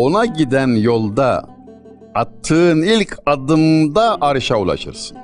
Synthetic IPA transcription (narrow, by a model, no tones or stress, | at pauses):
o̞naɟid̪ænjo̞lˠd̪aː | t̪ʰːɯnilʲcʰad̪ɯmd̪aʔaɾɯʃaulˠa̰ʃɯ̰ɾsɯ̥n